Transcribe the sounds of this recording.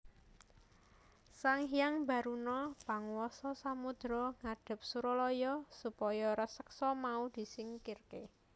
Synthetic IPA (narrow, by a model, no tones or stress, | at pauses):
saŋɦijaŋba̤ɾunɔpaŋwɔsɔsamud̪̥ɾɔŋaɖ̥ə̤p̚suɾɔlɔjɔsupɔjɔɾəsəksɔmaud̪̥i̤sɪŋkirke